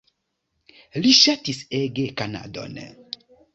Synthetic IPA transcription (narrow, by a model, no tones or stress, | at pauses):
liʃatiseɡekana̰do̰n